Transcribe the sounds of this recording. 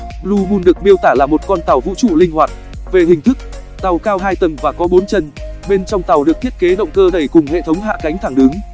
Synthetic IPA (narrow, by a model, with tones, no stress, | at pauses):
lu˧ɓu˧nɗɨ˨˩ək̚mi˧əwt̪aː˧˩laː˨˩mo˨˩t̚kɔ˧nt̪a˨˩wvṵ˧˥t͡ɕu˧˩lï˧ŋ̟hwaː˨˩t̚ | ve˨˩ɦï˨˩ŋ̟t̪ʰɨ˦˥k̚ | t̪a˨˩wkaː˧wɦaː˧jt̪ə˨˩ŋvaː˨˩kɔ˨˦ɓo˨˦nt͡ɕə˧nɓe˧nt͡ɕɔ˧wŋ͡mt̪a˨˩wɗɨ˨˩ək̚t̪i˦˥ət̚ke˨˦ɗə̰˧˨wŋ͡mkəː˧ɗə˧˩jkʊ˨˩ŋ͡mhḛ˧˨t̪ʰə˨˦wŋ͡mɦa̰ː˧˨ka˨˦jŋ̟t̪ʰaː˧˩ŋɗɨ˨˦ŋ